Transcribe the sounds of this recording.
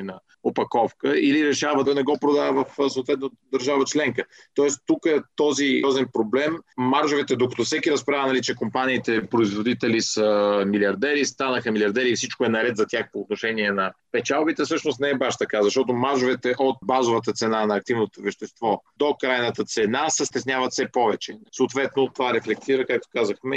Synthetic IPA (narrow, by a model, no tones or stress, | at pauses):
nɐ | opɐkɔfkəiliɾɛʃavənɛɡɔpɾod̪aəvɐfsɐoːt̪vɛt̪nod̪əɾʒavət͡ʃlɛŋkə | t̪ɔɛst̪ukəɛt̪ɔziɔzɛnpɾoblɛmːaɾʒovɛt̪ɛd̪okət̪ɔfsɛkiɾɐspɾavənɐlit͡ʃɛkompaniːt̪ɛpɾoizvod̪it̪ɛlisəmiliɐɾd̪ɛɾist̪anəxəmilʲiɐɾd̪ɛɾiːfsit͡ʃkoɛnɐɾɛt̪zɐt̪ʲjaxpoːt̪noʃɛniɛnɐpɛt͡ʃalˠbit̪ɛfsɤʃnost̪nɛɛbaʃt̪ɐkazɐʃt̪ɔt̪omaɾʒovɛt̪ɛʔot̪̚bazovət̪ət̪sɛnanɐːk̚t̪ivnot̪ovɛʃt̪ɛst̪vɔd̪okɾajnət̪ət̪sɛnasəst̪ɛsnʲjavət̪fsɛpɔvɛt͡ʃɛsoːt̪vɛt̪not̪ːovaɾɛflɛk̚t̪iɾəkak̚t̪o̥kazəxmɛ